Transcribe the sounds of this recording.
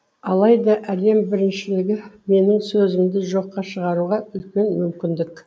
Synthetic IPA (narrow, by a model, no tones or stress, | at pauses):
ɑlˠɑjd̪ɑʔæd̪e̞mbɪɾɪnʃɪlɪɡʲɪme̞nɪŋsɵzɪmd̪ɪʒo̞qːɑʃəʁɑɾuʁɑʏlkʲe̞nmʏmkʲɪnd̪ɪk